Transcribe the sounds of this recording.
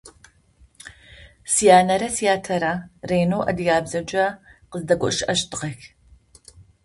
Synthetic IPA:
sijaːnɐɾɐsijaːtʰɐɾɐreːnoːʔɐ̰dɨjaːbzɐd͡ʒʼɐqəzdɐkʷʼɔ̰ʔʃʔɐʃtʰɨqɐx

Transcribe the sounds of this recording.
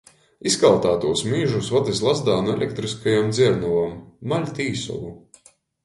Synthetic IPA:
iskalˠt̪aːt̪uɔsmiːʒusvad̪islˠazd̪aːnuḛlʲɛk̚t̪ɾiskajamd̪zʲiɛɾnuvamːalʲt̪ʲiːsɔ̰lˠu

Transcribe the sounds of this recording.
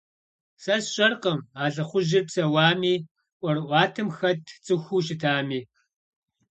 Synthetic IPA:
sɐsɕʼɐrqɐmaːɮɐχʷʊʒɪrpsɐwaːmiː | ʔʷɔrɨʔʷɑːtʰɨmxɐtʰt͡sʼɨxʷuːɕ̬ɪtʰaːmiː

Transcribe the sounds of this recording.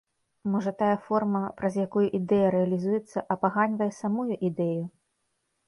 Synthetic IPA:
mɔʐɐt̪ajɐfɔrmɐpɾɐzʲjakujuʔid̪ɛjɐɾɛɐlʲizujɛt̪sːɐʔɐpaɣanʲvɐjɛsamujuʔid̪ɛju

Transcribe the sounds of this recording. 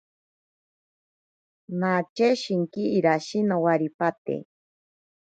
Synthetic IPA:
nat͡ʃeʃiŋkiiɾaʃinawaɾipat̪ḛ

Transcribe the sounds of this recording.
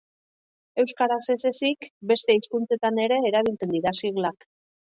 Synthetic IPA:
e̞wskaɾase̞se̞sikbe̞st̪e̞iskunt͡se̞t̪ane̞ɾe̞ːɾaβ̞ilt͡se̞nd̪iɾasiɣlak

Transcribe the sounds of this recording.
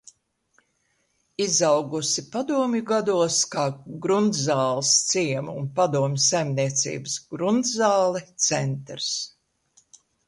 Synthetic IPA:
izawɡusipad̪uɔmjuɡad̪uɔskaːɡɾund̪zaːlˠst̪siɛmuːnpad̪uɔmʲsajmniɛt̪sḭːbəsɡɾund̪zaːlˠɛt̪sɛnt̪ɾs

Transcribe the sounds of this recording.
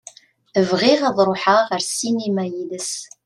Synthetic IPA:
əvʁiʁaðˤɾˤoħaʁəɾsinimæjiðəs

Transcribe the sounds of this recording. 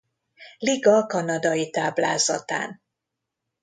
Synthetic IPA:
liɡɒkɒnɒd̪ɒjit̪aːblaːzɒ̰t̪a̰ːn

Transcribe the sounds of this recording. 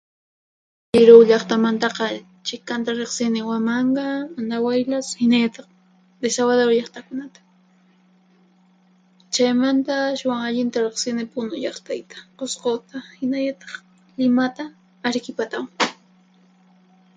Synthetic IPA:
ʎɪɾowʎɑχt̪amant̪ɑqɑ | t͡ʃɪkant̪aɾeχsɪnɪwamɑɴɢɑmand̪awajlashɪnaʎat̪ɑχ | d̪esawaðoɾʎɑχt̪akʊnat̪ḁ | t͡ʃajmant̪aaʃwaŋaʎɪnt̪aɾeχsɪnɪpʊnʊʎɑχt̪ajt̪ḁqosqot̪ahɪnaʎat̪ɑ̥χ | lɪmat̪aː | ɾkɪpat̪aw

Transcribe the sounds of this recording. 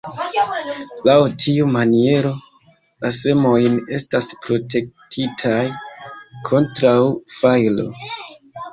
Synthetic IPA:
lawtʰiumanie̞ɾo̞ | lase̞mo̞jne̞staspɾo̞te̞k̚tʰitʰajkʰo̞ntɾawfajlo̞̰

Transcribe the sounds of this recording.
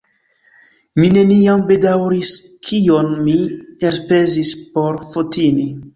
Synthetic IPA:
mine̞nijambe̞dawɾiskʰijonmieɾpe̞zispo̞ɾfotini

